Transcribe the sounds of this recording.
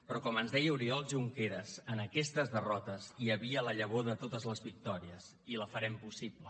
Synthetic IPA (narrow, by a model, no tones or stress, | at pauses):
pɾɔkɔmənzðɛjəuɾiɔlˠʒuŋkeɾəzənəkɛst̪əzðərɔt̪əziəβiələʎəβ̞oðət̪ot̪əzləzβik̚t̪ɔɾiəz | iləfəɾɛmpusiplə